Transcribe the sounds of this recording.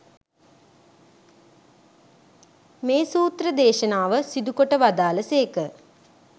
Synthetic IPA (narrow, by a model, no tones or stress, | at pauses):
meːsuːt̪rəd̪eːʃənaːʋəsid̪ukoʈəʋad̪aːləseːkə